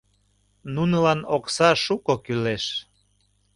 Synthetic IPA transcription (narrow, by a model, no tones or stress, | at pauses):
nunəlɑnoksɑʃukokyleʃ